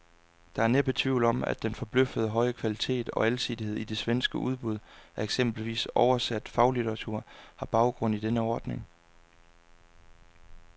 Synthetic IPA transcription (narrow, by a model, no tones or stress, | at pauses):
d̥ɑ̈æɐneb̥ət͡sʰʋḭʊ̰l̩ɒ̽m̰æ̰d̥enfɒ̽b̥løfəð̞ˠəɦɒ̽ɪəkʰʋælit͡sʰe̝̰ːd̥ɒ̽ælsid̥ihe̝ð̞̰ˠid̥e̝sʋensɡ̥əʔuð̞ˠb̥uð̞̰ˠæɐeɡ̥sem̰b̥l̩ʋḭːsɒʊɐsæd̥fɑ̈ʊlit͡sʰɐʁɑt͡sʰuɐ̰hɑ̈b̥ɑ̈ʊɡ̥ʁɔ̽n̰id̥enəɒːd̥ne̝ŋ